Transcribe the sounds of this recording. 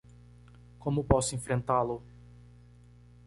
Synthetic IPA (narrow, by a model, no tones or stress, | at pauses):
kõmʊpɔsʊẽfɾẽnt̪alʊ